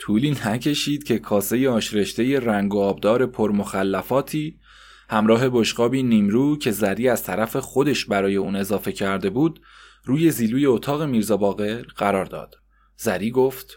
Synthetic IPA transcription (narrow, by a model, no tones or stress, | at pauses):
t̪ʰuːliːnæcʰe̞ʃiːd̪̥cʰe̞kʰɒːse̞jeɒːʃɾe̞ʃt̪e̞je̞ræŋɡoɒːbd̪ɒːɾe̞pʰoɾmoxælːæfɒːt̪ʰiː | hæmɾɒːɦe̞boʃɢɒːbiːniːmɾuːcʰe̞zæɾiːæz̥t̪ʰæɾæfe̞xo̞d̪e̞ʃbæɾɒːje̞uːne̞zɒːfe̞cʰæɾd̪e̞buːd̪̥ | ɾuːje̞ziːluːje̞ot̪ʰɒːɣe̞miːɾzɒːbɒːɣe̞ɾɢæɾɒːɾd̪ɒ̰ːd̪̥ | z̥æɾiːɡo̞ft̪